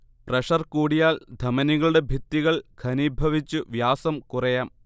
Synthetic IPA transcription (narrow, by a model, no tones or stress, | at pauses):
prɐʂɐrkuːɽijaːld̪ʱɐmɐniɣɐɭuɽe̞bʱit̪ːiɣɐɭɡʰʱɐnibʱɐʋit͡ɕːuʋjaːsɐmkurɐjaːm